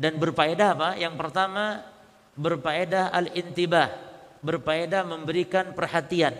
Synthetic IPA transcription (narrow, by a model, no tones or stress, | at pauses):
danbərpaedaɦapajaŋpərt̪ama | bərpaedaɦalɪnt̪ibahbərpaedahməmbəɾikanpərhat̪ian